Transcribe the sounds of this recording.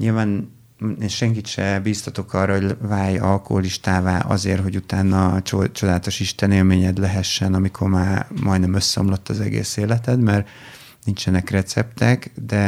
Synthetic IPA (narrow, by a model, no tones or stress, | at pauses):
ɲilvaːn | enʃɛŋk̬it̪ʃɛbiːst̪ɒt̪o̞kɒrːɒɦo̞ɟvaːjɒlko̞̰ɦoliʃt̪aːvaːʔɒ̰zeːrɦo̞ɟut̪aːnːɒt͡ʃo̞d̪aːlt̪o̞ʃiʃt̪ɛneːlmeːɲɛd̪lɛɦɛʃːɛnɒmikʰo̞rmaːmɒjd̪nɛmøsːɛo̰mlot̪ːɒzɛɡḛːseːlɛt̪ɛt̪mɛr | nint͡ʃɛnɛkrɛt̪sɛpt̪ɛkd̪ɛ